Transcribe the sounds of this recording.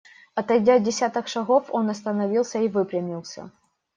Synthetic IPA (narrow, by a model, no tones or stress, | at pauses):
ɐt̪ɐjdʲadʲɪsʲat̪ɐxʂɐɣo̞fo̞nɐst̪ɐnɐvʲilˠsʲəivɨpɾʲɪmʲilˠsʲɐ̰